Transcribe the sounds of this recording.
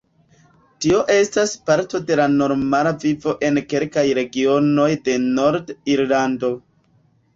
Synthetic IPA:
tio̞ʔe̞staspaɾto̞de̞lano̞ɾmalavivo̞ʔe̞nke̞lkajɾe̞ɡio̞no̞jde̞no̞ɾdiɾlando̞

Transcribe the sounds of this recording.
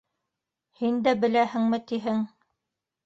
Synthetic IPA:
hind̪æbɘ̆læhɘ̆ŋmɘ̆t̪iɦɘŋ

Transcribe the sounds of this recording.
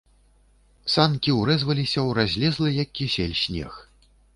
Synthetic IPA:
sankʲiwɾɛzvɐlʲisʲɐwrazʲlʲɛzlˠɨjɐkʲːisʲelʲsʲnʲɛ̰x

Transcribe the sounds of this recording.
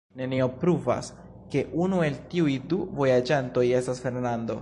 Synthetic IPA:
ne̞nio̞pɾuva̰s | ke̞ʔunue̞ltiujduvo̞jad͡ʒanto̞je̞stasfe̞ɾnando̞̰

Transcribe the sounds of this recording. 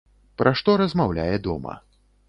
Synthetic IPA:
pɾʔaʂt̪ɔɾɐzmawlʲa̰jɛd̪ɔmɐ̰

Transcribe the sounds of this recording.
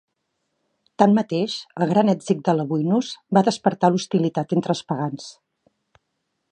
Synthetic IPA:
t̪ammət̪eʃəlˠɣɾanɛdzik̚d̪ələβujnuzbaðəspəɾt̪alust̪ilit̪at̪ent̪ɾəlˠspəɣans

